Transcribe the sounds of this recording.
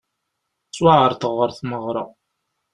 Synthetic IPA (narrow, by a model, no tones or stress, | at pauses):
swaʕəɾˤθəʁːəɾθməʁɾˤɑ